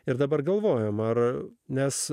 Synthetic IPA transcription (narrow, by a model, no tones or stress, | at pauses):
ɪɾd̪ɐbɐrɡɐlˠʋoːjɛmɐrnʲɛs